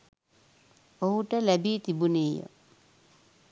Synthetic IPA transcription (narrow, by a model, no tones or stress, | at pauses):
oɦuʈəlæbiːt̪ibunejə̰